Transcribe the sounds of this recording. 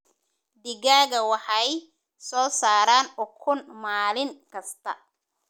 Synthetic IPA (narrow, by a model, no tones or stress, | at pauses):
d̪ɪɣaːɣɐwɑħɑj | sɔːsaːɾaːnɔkʰʊnmaːlɪŋkʰɐst̪ʰɐ̰